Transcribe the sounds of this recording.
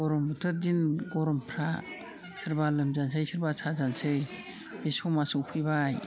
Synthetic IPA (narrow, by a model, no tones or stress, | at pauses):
ɡɔɾɔmbɯtʰɯdinɡɔɾɔmpʰɾa | sʰɯɾbalɯmzans̬ɯjsɯɾbasʰazansɯj | b̥esɔmasuŋpʰɯjbaj